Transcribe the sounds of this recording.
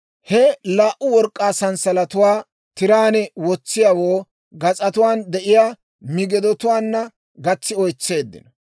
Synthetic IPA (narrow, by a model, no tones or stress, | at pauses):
hɛlaːʔʊwɔɾkʼːaːsɐnsɐlɐt̪ʊwaː | t̪ɪɾaːnɛwɔt͡sːɪjawoː | ɡɐt͡sʼɐt̪ʊwaːnd̪ɛʔɪjaː | mɪɡɛd̪ɔt̪ʊwaːnːɐ | ɡɐt͡sːɪɔjt͡sːe̞ːd̪ːɪ̰nɔ